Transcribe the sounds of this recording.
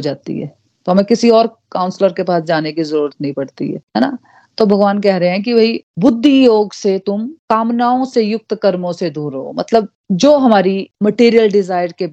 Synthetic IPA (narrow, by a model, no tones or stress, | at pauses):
ɦod͡ʒaːt̪ḭɦɛ̰ː | t̪oɦɐmẽkɪsiɔːɾ | kaːʊnsləɾkepaːsd͡ʒaːnekizəɾuːɾət̪nɐɦĩpɐɽt̪ḭɦɛ̰ːɦɛːna̰ | t̪obʱɐɡʋaːnkɛɦɾɐɦeɦɛ̃k̬ibʱɐibʊd̪ʱːijoːɡset̪ʊmkaːmnaːõsejʊk̚t̪kɐɾmõsed̪ʱuːɾo̰ːmɐ̰t̪ləb̚ | d͡ʒoːɦɐmaːɾimɐʈiːɾijəlɖɪzaːɪɾke